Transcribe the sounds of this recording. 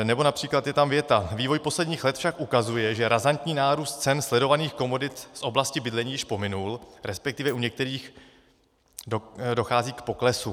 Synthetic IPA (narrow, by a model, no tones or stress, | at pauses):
nɛbo̞napr̥iːklat̪jɛt̪amvjɛt̪aviːvo̞jpo̞slɛdɲiːxlɛt̪fʃakʔukazujɛʒɛɾazant̪ɲiːnaːɾuːst̪̚t͡sɛnslɛdo̞vaniːxko̞mo̞dɪt̪sʔo̞blascɪbɪdlɛɲiːjɪʃpo̞mɪnulɾɛspɛk̚t̪ɪvɛʔuɲɛk̚t̪ɛɾiːx | do̞xaːziːkpo̞klɛsu